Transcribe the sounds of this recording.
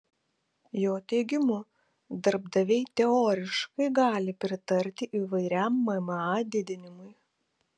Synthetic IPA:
joːt̪ʲɛːɡʲɪmʊ | d̪ɐɾb̚d̪ɐʋʲɛɪt̪ʲɛoːɾʲɪʃkɐɪɡɑːlʲɪpʲɾʲɪt̪ɐɾʲt̪ʲɪʔiːʋɐɪɾʲɛmːɐmɑːd̪ʲɪd̪ʲɪnʲɪmʊj

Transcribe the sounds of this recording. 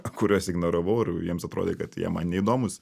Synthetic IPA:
kʊɾʲuɔsɪɡnɐɾɐʋɐʊɪrjiɛmsɐt̪ɾo̰ːd̪ʲeːkɐt̪jḭɛmɐnnʲɛid̪oːmʊs

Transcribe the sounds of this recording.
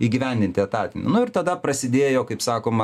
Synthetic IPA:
iːɡʲɪʋʲɛnʲd̪ʲɪnʲt̪ʲɪɐt̪ɑːt̪ʲɪnʲɪ̰nʊɪɾt̪ɐd̪ɐpɾɐsʲɪd̪ʲeːjoːkɐɪpsɑːkoːmɐ

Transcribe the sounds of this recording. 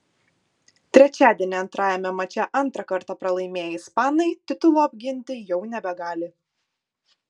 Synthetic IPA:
t̪ʲɾʲɛt͡ʃʲæːd̪ʲiɛnʲɪɐnt̪ɾɑːjɛmʲɛmɐt͡ʃʲɛʔɐnˑt̪ɾɐkɐɾt̪ɑpɾɐlˠɐɪmʲeːjɪspɑːnɐɪt̪ʲɪt̪ʊlˠoːɐbʲɡʲɪnʲt̪ʲɪjɛʊnʲɛbʲɛɡɑːlʲɪ

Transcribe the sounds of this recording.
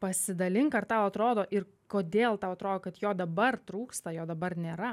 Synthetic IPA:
pɐsʲɪd̪ɐlʲɪŋkɐrt̪ɑʊɐt̪ɾoːd̪oːʔɪr | koːd̪ʲeːlˠt̪ɐʊɐt̪ɾoːd̪oːkɐt̪joːd̪ɐbɐrt̪ɾuːkst̪ɐjoːd̪ɐbɐrnʲeːɾɐ

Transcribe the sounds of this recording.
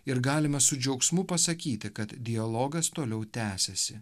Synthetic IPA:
ɪɾɡɑːlʲɪmɐsʊd͡ʒʲɛʊksmʊpɐsɐkʲiːt̪ʲɪkɐt̪d̪ʲɪjɐlˠoːɡɐst̪oːlʲɛʊt̪ʲæːsʲɛsʲɪ

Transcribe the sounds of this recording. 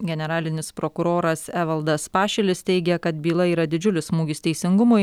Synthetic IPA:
ɡʲɛnʲɛɾɑːlʲɪnʲɪspɾokʊɾoːɾɐsɛʋɐlˠd̪ɐspɑːʃʲɛlʲɪst̪ʲɛɪɡʲɛkɐt̪̚bʲiːlˠɐiːɾɐd̪ʲɪd͡ʒʲʊlʲɪsmuːɡʲɪst̪ʲɛɪsʲɪŋɡʊmʊ

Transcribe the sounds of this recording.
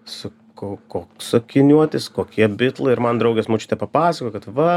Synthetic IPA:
sʊ | kokoːksokʲɪnʲuɔt̪ʲɪskoːkʲiɛbʲɪt̪lˠɐɪɪɾmɐnd̪ɾɐʊɡʲɛsmoːt͡ʃʲɪt̪ʲɛpɐpɑːsɐkoːkɐt̪ʋɐ

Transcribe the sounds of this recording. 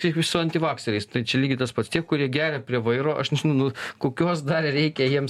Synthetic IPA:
kʲiɛkʋʲɪʃsʊɐnʲt̪ʲɪʋɑːksʲɛɾʲɛɪst̪ɐɪt͡ʃʲɛlʲiːɡʲɪt̪ɐspɐt̪st̪ʲiɛkkʊɾʲiɛɡʲæːɾʲɛpʲɾʲiɛʋɐɪɾoːʔɐʃnʲɛʒʲɪnʊnʊkoːkʲoːsd̪ɐrrʲɛɪkʲɛjiɛm

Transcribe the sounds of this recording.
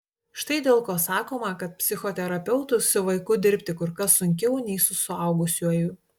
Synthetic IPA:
ʃt̪ɐɪd̪ʲeːlˠkoːsɑːkoːmɐkɐt̪̚pʲsʲɪxoːt̪ʲɛɾɐpʲɛʊt̪ʊssʲʊʋɐɪkʊd̪ʲɪɾʲpʲt̪ʲɪkʊɾkɐsːʊŋʲkʲɛʊnʲɛɪsʊsʊɐʊɡʊsʲuɔjʊ

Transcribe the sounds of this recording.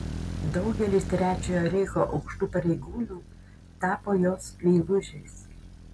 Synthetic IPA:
d̪ɒʊɡʲɛlʲɪst̪ʲɾʲæːt͡ʃʲujoːɾʲɛɪxoːʔɒʊkʃt̪uːpɐɾʲɛɪɡuːnʲuː | t̪ɑːpoːjoːslʲɛɪʋʊʒʲeːs

